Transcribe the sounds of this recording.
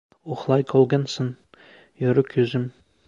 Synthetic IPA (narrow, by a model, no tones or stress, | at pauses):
uχlˠɑjkʰɒlˠɡɑnsɤn | jŏɾɘkʰʉzɘm